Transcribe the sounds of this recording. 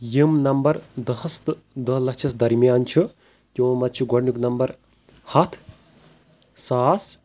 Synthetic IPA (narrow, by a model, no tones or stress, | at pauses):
jimnɐmbɐɾd̪ɐɦɐst̪ɨ | d̪ɐlɐt͡ʃʰɐsd̪ɐɾimijaːnt͡ʃʰu | t̪jõːmɐt͡ʃʰuɡɐɽnuknɐmbɐɾ | hɐt̪ʰ | saːs